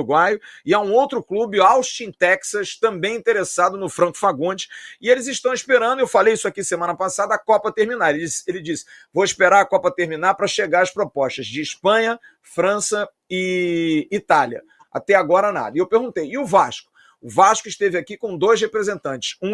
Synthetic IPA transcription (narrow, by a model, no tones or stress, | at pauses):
ɡwajʊɪaũowt̪ɾʊklubɪawʃt͡ʃĩt̪ɛksɐst̪ɐ̃mbẽj̃ĩnt̪eɾesad̪ʊnʊfɾɐ̃ŋkʊ̥faɡõd͡ʒɪ̥ɪelɪzɪʃt̪ɐ̃w̃iʃpeɾɐ̃nd̪ʊewfalejisʊakisemɐ̃nɐpasad̪ɐːkɔpɐt̪eɾminaɾelɪiselɪd͡ʒisɪ̥vowiʃpeɾaɾɐkɔpɐt̪eɾminaɾpɾɐʃeɡaɾɐspɾopɔʃt̪ɐzd͡ʒɪːʃpɐ̃ɲɐ | fɾɐ̃sɐ | ɪː | t̪aljɐ̰ | a̰t̪ɛaɡɔɾɐna̰d̪ɐɪewpeɾɡũt̪ejɪʊvaʃkʊ̥ | ʊvaʃkʊiʃt̪evɪakikõw̃d̪ojshepɾezẽnt̪ɐ̃nt͡ʃɪ̥sũ